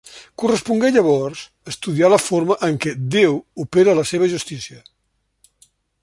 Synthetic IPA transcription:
kurəspuŋɡeʎəβ̞ɔɾz | əst̪uðialəfoɾməʔəŋkɛd̪ewupeɾəːləseβ̞əʒust̪isiə

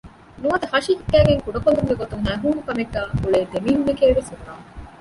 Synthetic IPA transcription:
nuʋɐd̪ɐhɐʃiɦiɡːæːɡeŋkuɖɐkond̪uŋɡeɡot̪uŋɦæːɦuːnukɐmeɡːaːkuɭeːd̪emiːɦumekeːʋesuɾuɾaː

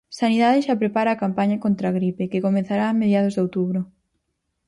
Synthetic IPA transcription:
saniðaðɪʃapɾepaɾaːkampaɲakont̪ɾaɣɾipekɪkomẽn̟θaɾaːmeðjaðʊzðowt̪uβ̞ɾʊ

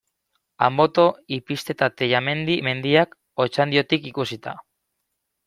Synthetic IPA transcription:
a̰mbo̞t̪o̞ipist̪e̞t̪at̪ejame̞nd̪ime̞nd̪iak | o̞t͡ʃand̪io̞t̪ikikusit̪a̰

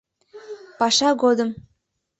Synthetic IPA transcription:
pɑʃɑɣod̪əm

